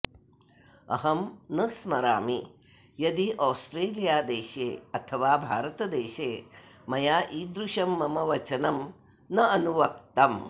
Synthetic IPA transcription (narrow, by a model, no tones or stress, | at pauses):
ɐ̰ɦɐmnɐsmɐɾa̰ːmi | jɐd̪iʔaːsʈɾeːlijaːd̪eːʃeːɐt̪ʰɐʋaːbʱa̰ːɾɐt̪ɐd̪eːʃeːmɐjaːʔiːd̪ɾuʃɐmːɐmɐʋɐt͡ʃɐnɐm | nɐɐnuʋɐk̚t̪ɐm